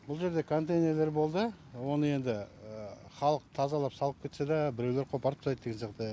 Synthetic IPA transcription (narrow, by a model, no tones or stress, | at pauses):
bʊlˠʒe̞ɾd̪e̞kʰo̞nt̪ejne̞ɾle̞ɾbo̞lˠd̪əwo̞nəje̞nd̪ɪ | χɑlˠəq̚t̪ʰɑzɑlˠɑpsɑlˠəp̚kʲʰe̞t̪se̞d̪ɑbɪɾe̞wle̞ɾqʰopɑɾəpt̪ʰɑjt̪̚ːeɡʲensjɑqt̪ə